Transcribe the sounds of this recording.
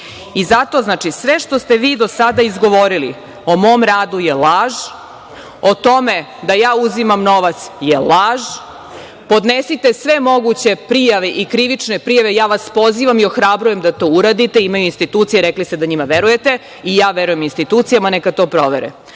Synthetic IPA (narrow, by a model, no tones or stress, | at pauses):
izat̪o̞ːznaːt͡ʃisʋeʂt̪ost̪e̞ʋiːd̪osad̪aizɡo̞ʋo̞ɾilḭ | o̞moːmɾaːd̪ujelaːʒ | ot̪o̞me | d̪ajaːuzimamno̞ʋat̪sjelaːʒ | po̞d̪nesit̪e̞sʋe̞mo̞ɡut͡ɕe̞pɾijaʋeʔikɾiʋit͡ʂnepɾijaʋejaːʋaspo̞ziːʋamio̞xɾabɾuje̞md̪at̪o̞ːuɾad̪it̪e̞imajuinst̪it̪uːt̪sijeɾeklist̪ed̪aɲimaʋeɾuje̞t̪e | ijaːʋeɾujeminst̪it̪uːt̪sijamanekat̪o̞ːpɾo̞ʋeɾɛ̰